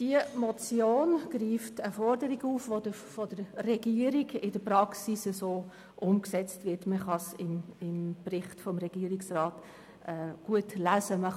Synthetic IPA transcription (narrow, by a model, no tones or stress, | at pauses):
d̥iəmɔt͡sjoːnɡ̥riːftəfɔrdəɾiɡuːfʋodəfɔd̥əɾrɛɡiːəɾiɡɪd̥əɾpɾɑksisəsoː | ʔʊmksɛt͡stvɪɾtməχɑsɪnɪnbrɪχtfɔmɾɛɡ̥iːəɾiksrɑːt | ʔɛːɡ̥uətlæsəmə